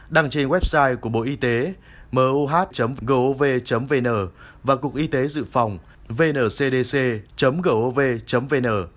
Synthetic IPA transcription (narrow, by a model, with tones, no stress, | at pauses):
ɗa˨˧˩ŋt͡ɕe˧nwɛ˦˥p̚saː˧jku˧˩əɓo̰˧˨ʔi˧t̪e˨˦ | məː˨˦ʔu˧ɦaː˦˥t̚t͡ɕə˨˦mvɣəː˧ʔo˧ve˧t͡ɕə˨˦mve˧nəː˨˩ | vaː˨˩kʊ˨˩k̚ʔi˧t̪e˨˦zɨ̰˧˨fa˨˩wŋ͡m | ve˧nəː˧˩se˧ɗe˧se˧t͡ɕə˨˦mɣəː˧˩ʔo˧ve˧t͡ɕə˨˦mve˧nəː˨˩